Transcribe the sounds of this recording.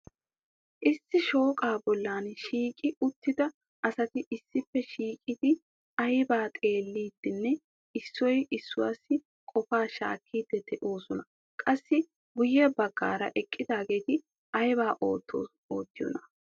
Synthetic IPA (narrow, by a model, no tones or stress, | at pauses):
ʔɪsːɪʃo̞ːkʼaːbɔlːaːnʃiːkʼɪʊt̪ːɪd̪ɐ | ʔɐsɐt̪ɪʔɪsːɪfːɛʃiːkʼɪd̪̥ɪ | ɐjbaːt̪ʼe̞ːlːiːd̪̥ːɪnːɛ | ɪsːɔjʔɪsːʊwa̰ːsːɪ | kʼɔfaːʃa̰ːkʰːiːd̪̥ːɛd̪̥ɛʔo̞ːsɔnɐ | kʼɐsːɪ | ɡʊjːɛbɐɡːa̰ːɾɐ̰ʔɛkʼːɪd̪aːɡe̞ːt̪ɪ | ʔɐjbaːʔ | oːt̪ːɪjɔ̰nɐ̥